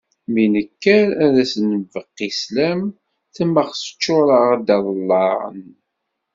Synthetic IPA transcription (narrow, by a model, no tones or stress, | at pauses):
minəkːæɾæðæsənəvəqːislæm | θəmːəχsə̥t͡ʃːʊɾˤəʁad̪ɑðˤəlːɑɾə̰n